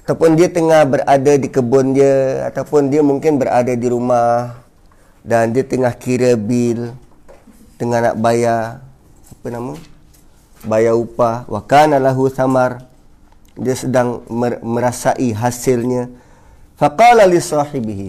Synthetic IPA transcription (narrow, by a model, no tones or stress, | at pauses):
at̪awpʊndiat̪əŋahbəɾadadikəbʊndiəa̰t̪awpʊndiəmuŋkɪnbəɾʔa̰dadiɾumah | dandiat̪əŋahkiɾəbɪl | t̪əŋana̰ʔbaja | apənamaŋ | bajaupawakaːnalaɦuθamar | diəsədaŋməməɾasaʔiɦasɪlɲa | faqɑːlalisɑħɪbiɦi